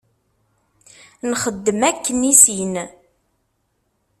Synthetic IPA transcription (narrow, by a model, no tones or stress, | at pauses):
nχəd̪ːəmækːənisin